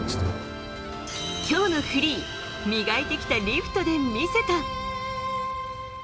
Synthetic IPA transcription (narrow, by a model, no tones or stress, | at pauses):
kʲo̞ːno̞ɸɯ̟ɾʲiː | mʲiɡait̪e̞kʲi̥t̪aɾʲiɸɯ̟̥t̪o̞d̪e̞mʲise̞t̪a